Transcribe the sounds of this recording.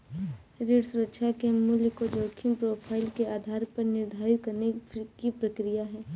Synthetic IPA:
ɾeːɖsʊɾəkʃʰakemuljkod͡ʒoːkʰɪmpɾoːpʰaːɪlkeaːd̪ʱaːɾpɐɾnɪɾd̪ʱaːɾɪt̪̚kɐɾnekipɾɐkɾijaɦɛː

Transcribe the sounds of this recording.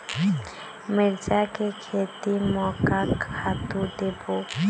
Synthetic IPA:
med͡ʒakekʰet̪imɔkakʰat̪ud̪ebo

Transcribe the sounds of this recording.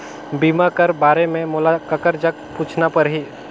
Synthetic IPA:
biːmakəɾbaːɾemẽmoːlakəkəɾd͡ʒəkpuːt͡ʃʰnapɐɾɦiː

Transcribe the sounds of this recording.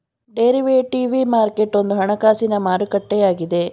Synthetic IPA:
ɖeːɾiʋeːʈiːʋimaːɾke̞ʈːo̞nd̪uɦɐɳɐkaːsinɐmaːɾukɐʈːɛjaːɡid̪e̞

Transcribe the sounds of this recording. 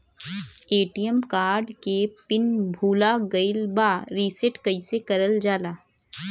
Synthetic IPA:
eːʈijəmkaːɾɖkepɪnbʱuːlaɡɐɪlbaːɾiːsɪʈkɐɪsekɐɾəld͡ʒaːlaː

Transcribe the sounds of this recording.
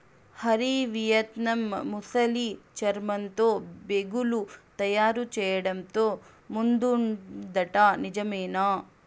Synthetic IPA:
hɐɾiʋijɐt̪nɐmːusɐlit͡ʃɐɾmɐnt̪oːbeɡulut̪ɐjaːɾut͡ʃɛːjɐɽɐmt̪oː | mund̪und̪ɐʈaːnid͡ʒɐmeːnaː

